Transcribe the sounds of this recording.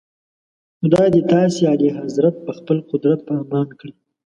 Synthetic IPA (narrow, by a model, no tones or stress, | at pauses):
xʊd̪ɑjd̪et̪ɑːsealiɦazɾat̪̚pəxpəlqʊd̪ɾat̪̚pɑːmɑːnkɽi